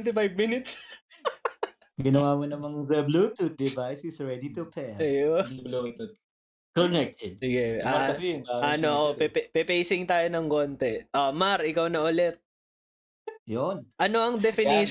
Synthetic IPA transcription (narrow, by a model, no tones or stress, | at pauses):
nt̪ɪfajvmɪnɪt̪s | ɡɪnɐwaːmonɐmɐŋzɛblut̪ud̪̚ɪvajsɪsɹɛd̪it̪ʊpʰɛɐjoɛblut̪ud̪̚ | konɛk̚t̪ɛd̪̚sɪɡɛʔaɐsɪjʊŋaɐnoʔopɛppɛpɛjsɪŋt̪aːjonɐŋkont̪ɛʔomaɾʔɪkawnɐʔʊlɛt̪̚ | jonʔɐno̞ɐŋd̪ɛfɪniʃ